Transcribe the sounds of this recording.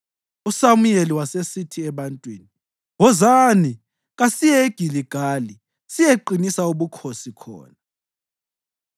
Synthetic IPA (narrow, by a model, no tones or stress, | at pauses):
usamujeliwasesitʰiɛβantʼwiːni | wɔzani | ɣasijɛeɡ̥ʱiliɡ̥ʱaːli | sijeǃinisauβukʰosikʰɔ̰ːna